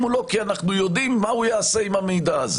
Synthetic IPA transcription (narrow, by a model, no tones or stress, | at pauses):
mulo̞kianaχnujo̞d̪imːaujaːse̞imamejd̪aaze